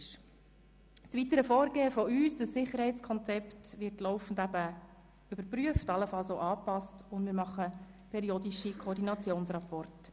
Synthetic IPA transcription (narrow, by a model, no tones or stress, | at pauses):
ʃ | t͡sʋit̪əɾəfɔːɾɡeːəfɔyːsd̥əsːɪχəɾhɛɪt͡skʰɔnt͡sɛptʋɪɾtlɔʊfn̩dæbə | ʏb̥əɾpɾyəftɑlːəfɑlˠsoʊʔɑːpɑstʊndmɪːɾmɑχə | pʰɛɾiodiʃikʰɔːrdinɑt͡sjoːnsɾapɔrt